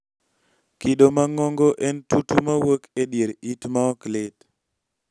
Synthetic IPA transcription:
kiɗomaŋɔŋɡɔʔɛntutumawokedjeɾitmaɔklɪt

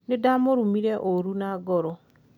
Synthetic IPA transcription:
nedamoɾumiɾeʔoɾunaɡɔɾɔ

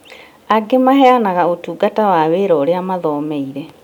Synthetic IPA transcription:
aɡemahɛanaɣaotuːɡatawaweɾɔːɾeamaðɔːmɛiɾɛ

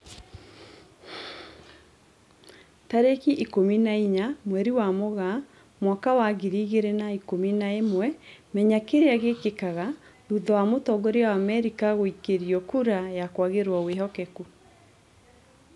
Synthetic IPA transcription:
taɾekiʔikominaiɲamwɛɾiwamoɣa | mwakawaɣiɾiɣeɾenaikominaemwɛmɛɲakeɾeaɣekekaɣa | ɾuðɔwamotɔɡoɾeawamɛɾikaɣoikeɾjɔkuɾajakwaɣeɾwɔweɦɔkɛku

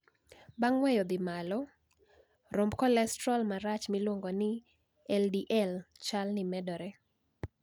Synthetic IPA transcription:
baŋwɛjɔd̪ɪmalɔ | ɾombkɔlɛstɾɔlmaɾat͡ʃmilwoŋɡɔnɪ | ɛldiʔɛlt͡ʃalnɪmɛdɔɾɛ

